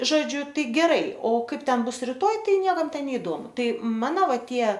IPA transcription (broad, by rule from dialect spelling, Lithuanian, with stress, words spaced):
ˈʒoːd͡ʒʲʊ ˈtɐɪ ɡʲɛˈrɐɪ oː ˈkɐɪp ˈtʲɛn ˈbʊs rʲɪˈtoːj ˈtɐɪ ˈnʲiɛkɐm ˈtʲɛn nʲɛɪˈdoːmʊ ˈtɐɪ ˈmɑːnoː ˈʋɐ ˈtʲiɛ